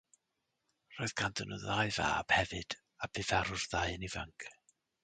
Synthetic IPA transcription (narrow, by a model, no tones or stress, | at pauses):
r̥oːɨðɡʰandənɔðaɨva̰ːb̥hɛvɨd̥ | ab̥ɨvaɾʊrðaɨnivəŋkʰ